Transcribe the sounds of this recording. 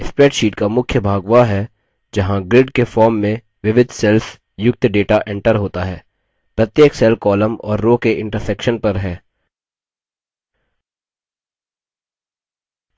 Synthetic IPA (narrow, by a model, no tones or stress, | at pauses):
ɪspɾɛːʈʃiːʈkamʊkʰjəbʱaːɡʋaɦɛː | d͡ʒɐɦãɡɾɪɖkefɔːɾmːẽ | ʋɪʋɪd̪ʱsɛlf | jʊk̚t̪ɖeːʈaʔɛ̃ɳʈəɾɦoːt̪aɦɛː | pɾɐt̪jeːksɛlkɔːləmɔ̰ːɾːoːkeʔɪ̃ɳʈəɾsɛːkʃənpɐɾɦɛː